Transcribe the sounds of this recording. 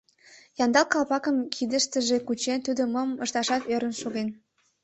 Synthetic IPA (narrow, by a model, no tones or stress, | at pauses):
jɑnd̪ɑlkɑlpɑkəmkʰid̪əʃt̪əʒekut͡ɕent̪ud̪oməməʃt̪ɑʃɑt̪øɾə̆nʃoɣen